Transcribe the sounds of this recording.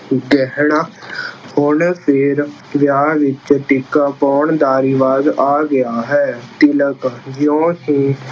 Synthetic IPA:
ɡɛɦɳaːhʊɳpʰɪɾ | ʋjaːʋɪt͡ʃʈɪkaːpɔːɳd̪aːɾiːʋaːzaːɡɪjaːɦɛːt̪ɪləkd͡ʒjõːɦiː

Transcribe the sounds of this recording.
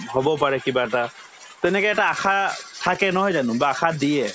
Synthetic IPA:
hɔbɔpaɹɛkibaɛta | tɛnɛkɔɛtaːxʰatʰakɛnɔɦɔjzanʊbaːxʰadijɛ

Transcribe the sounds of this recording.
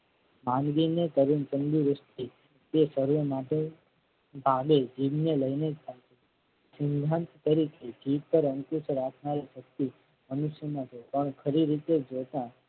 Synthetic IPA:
mãnɡinet̪əɾunt͡ʃənɡiɾəsʈ̪i | t̪esəɾumaʈe | bʱaɡed͡ʒiʋneləined͡ʒt̪ʰalt͡ʃʰe | sɪnd̪ʱãnt̪t̪əɾikʰed͡ʒiʋpəɾəŋkuʃɾakʰnaɾiʃək̚t̪i | mənuʃjəmãd͡ʒʰepəɳkʰəɾiɾit̪ed͡ʒot̪ã

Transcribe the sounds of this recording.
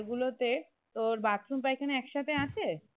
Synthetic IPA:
ɾɡulot̪e | t̪oɾbat̪ɾumpaekʰaneɛkʃat̪ʰeat͡ɕʰe

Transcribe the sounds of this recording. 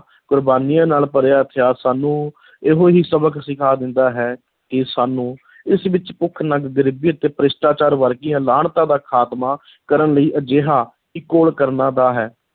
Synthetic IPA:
kʊɾbaːnijãːnaːlpəɾeaːət̪ʰɪjaːsaːnũː | ɪɦoːɦiːsəbəksɪkʰaːd̪ɪnd̪aːɦɛː | kɪsaːnũː | ɪsʋɪt͡ʃpʊkʰːnəɡɡəɾɪbiːət̪eːpəɾɪsʈaːt͡ʃaːɾʋəɾkɪjãːlaːɳt̪ãːd̪aːkʰaːt̪maː | kəɾənləiːʔəd͡ʒeːɦaː | ɪkːoːlkəɾnaːd̪aːɦɛː

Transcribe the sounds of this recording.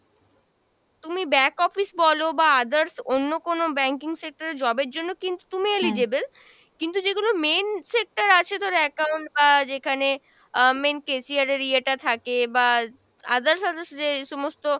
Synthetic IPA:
t̪umibɛkɔfisbɔlobaad̪aɾsonːokonobɛŋkiŋsek̚ʈaɾed͡ʑɔbeɾd͡ʑonːokint̪u̥t̪umielid͡ʑebel | kint̪ud͡ʑeɡulomensek̚ʈaɾat͡ɕʰed̪ɔɾeɛkawɳʈ̚bad͡ʑekʰane | menkesiaɾeɾieʈat̪ʰakeba | a̰d̪aɾsad̪asd͡ʑeʃomost̪o

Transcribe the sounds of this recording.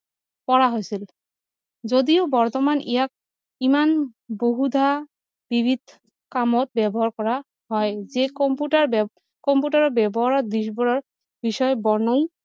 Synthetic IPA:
pɔɾaɦojsʰil | d͡ʑod̪iobɔɾt̪ɔmanʔijak̚ | imanboɦud̪ʱa | bibʱid̪ʱ | kamɔt̪̚bɛbɔɦaɾkɔɾa | ɦɔezekɔmpuʈaɾ | kɔmpuʈaɾɔbɛbɔɦaɾɔd̪iʃbɔɾɔɾ | biʃɔebɔɹnoj

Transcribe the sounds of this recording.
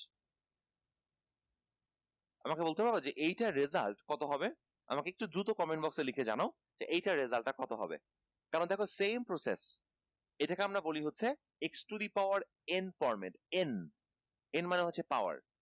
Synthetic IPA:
amakebolt̪epaɾbed͡ʑeʔejʈaɾezalʈkɔt̪oɦɔbe | a̰makeek̚ʈud̪ɾut̪okɔmenbɔkselikʰed͡ʑa̰nao | d͡ʑeʔejʈaɾezalʈakɔt̪oɦɔ̰bḛ | kaɾond̪ɛkʰosempɾosḛs | eʈakeamɾaboliɦotːʰe | eksʈud̪ipawaɾ | enfɔɾmḛɳʈen | enmaneɦotːɕʰepaoa̰ɾ

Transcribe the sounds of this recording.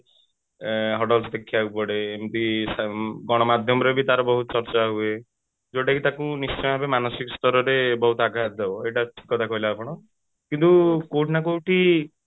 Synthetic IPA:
ɦɔʈɔlsd̪ekʰːiaupɔɽemt̪isɡɔɽ̃ɔmad̪ʱjɔmɔɾebit̪aɾɔbɔɦut̪ɔt͡ʃɔɾt͡ʃaɦue | d͡ʒoʈakit̪akunist͡ʃɔ̃abemanɔsikɔst̪ɔɾɔɾebɔɦut̪aɡʱat̪̚d̪ebɔeʈaʈʰi̥kːɔt̪ʰakɔɦilaːpɔɽ̃ɔ | kint̪ukoʈnak̬owʈi

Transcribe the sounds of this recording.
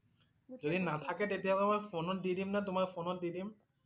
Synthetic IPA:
d͡ʑod̪inat̪ʰaket̪et̪iaamajfonɔtd̪id̪imnat̪omaɾfonɔt̚d̪id̪im

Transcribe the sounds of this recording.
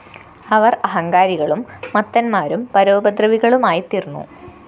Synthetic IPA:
ɐʋɐrɐɦɐŋɡaːɾiɣɐɭumːɐt̪ːɐnmaːɾumpɐɾoːbɐd̪rɐʋiɣɐɭumaːjit̪irnːṵ

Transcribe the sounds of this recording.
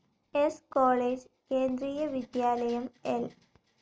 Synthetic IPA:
eskoːɭeːd͡ʑ | keːnd̪ɾiːjɐʋid̪jaːlɐjɐmel

